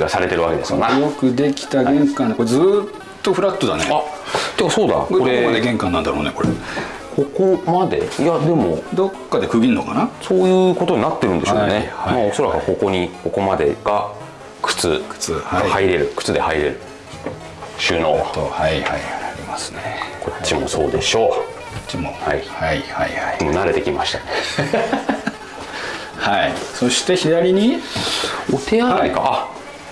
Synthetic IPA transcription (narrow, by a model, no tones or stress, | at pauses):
iɡasaɾe̞t̪e̞ɾɯ̟βake̞d̪e̞sɨjonajo̞kɯ̟d̪e̞kʲi̥t̪aɡẽ̞ŋkãneko̞ɾed͡zzɨːt̪ːo̞ɸɯ̟ɾat̪ːod̪anea | t̪ekːaso̞ːd̪a̰koɾe̞mad̪eɡẽ̞ŋkãnãnd̪aɾo̞ːneko̞ɾe | kʰo̞ko̞mad̪e̞̰ijad̪e̞mod̪o̞kːad̪e̞kɯ̟ɡʲinːokanaso̞ːjɯ̟ːko̞t̪o̞ɲ̟inat̪ːe̞ɾɯ̟̃nd̪eoːnehamao̞soɾakɯko̞ko̞ɲ̟iko̞ko̞mad̪e̞ɡ̥a | kɯ̥t͡sɨkɯ̥ɡahaiɾe̞ɾɯ̟kɯ̟̥t͡sɨd̪e̞haiɾe̞ɾɯ̟ | ɕɨːno̞̰ːβat̪haihaiaɾʲimasɨ̥nekʰo̞t͡ɕːimo̞so̞̰ːd̪e̞ɕo̞ː | ot͡ɕimohaihaihaihaimo̞naɾe̞t̪e̞kʲimaɕi̥t̪ane | haisoɕi̥t̪e̞çid̪aɾʲiɲ̟i | ot̪e̞aaikaa